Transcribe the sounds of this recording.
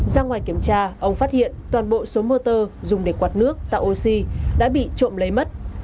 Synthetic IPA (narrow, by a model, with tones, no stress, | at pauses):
zaː˧ŋwaː˨˩jki˧˩əmt͡ɕaː˧ʔə˧wŋ͡mfaː˦˥t̚hḭ˧˨ənt̪waː˨˩nɓo̰˧˨so˨˦moː˧t̪əː˧zʊ˨˩ŋ͡mɗe˨˩kwaː˨˩t̚nɨ˦˥ək̚t̪a̰ː˧˨jʔo˧si˧ɗa̰ː˧˥ɓḭ˧˨t͡ɕo̰˧˨mlə˨˦jmə˦˥t̚